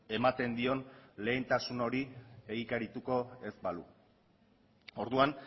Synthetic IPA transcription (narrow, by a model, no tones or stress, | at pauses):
e̞mat̪e̞nd̪io̞nle̞ːnt̪asuno̞ɾie̞ɣikaɾit̪uko̞e̞zbalṵ | o̞ɾðuan